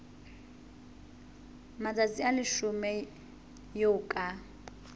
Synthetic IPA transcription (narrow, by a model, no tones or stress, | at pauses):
mad͡zat͡sialɪʃumɛ | joːkʼa